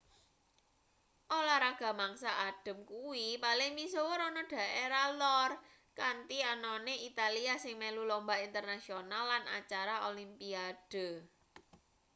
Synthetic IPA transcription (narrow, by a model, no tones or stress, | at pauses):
ʔolaɾaɡ̥a̤maŋsaʔːd̥ə̤mkuwipalɪŋmisowɔɾɔnɔɖ̥ä̤ʔeɾalɔr | kant̪ianɔneit̪aliasɪŋmelulɔmbaint̪ərnasionalːana̰t͡ʃaɾaolimpiad̥ə̤